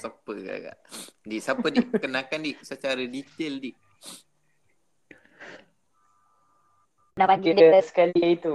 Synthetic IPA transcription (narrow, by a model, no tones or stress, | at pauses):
sapːəɡa̰ɡa̰disapːədiʔkənakandisət͡ʃaɾədit̪eldi | napaɡidsə̥kaliit̪u